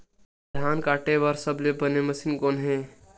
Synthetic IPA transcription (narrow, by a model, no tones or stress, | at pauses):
d̪ʱaːnkaːʈeʋəɾsəblebəneməsinkoːnɦẽː